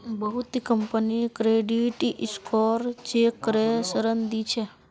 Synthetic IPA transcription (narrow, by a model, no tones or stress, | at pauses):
bəɦut̪ikəmpənikɾeɖiʈʔiskɔɾt͡ʃekːəɾesəɾənd̪it͡ʃʰe